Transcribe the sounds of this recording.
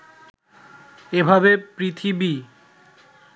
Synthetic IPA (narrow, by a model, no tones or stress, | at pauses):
ebʱabepɾit̪ʰibi